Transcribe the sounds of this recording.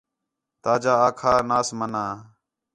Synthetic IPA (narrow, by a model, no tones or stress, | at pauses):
t̪aːd͡ʒaːaːkʰaːnaːsmənaː